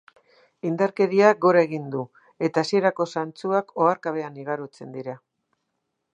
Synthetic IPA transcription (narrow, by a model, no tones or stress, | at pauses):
ind̪aɾke̞ðiaɡo̞ɾae̞ɣ̞ind̪u | e̞t̪aːsie̞ɾako̞sant͡suako̞aɾkaβ̞e̞aniɣ̞aɾot͡se̞nd̪iɾa